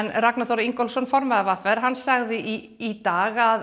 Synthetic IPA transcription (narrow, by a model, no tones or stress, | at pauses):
nraknaθɔɾiŋkɔlsɔnfɔɾmɛðavafɛɾɦanːsaɣðɪʔiː | t̪aːɣað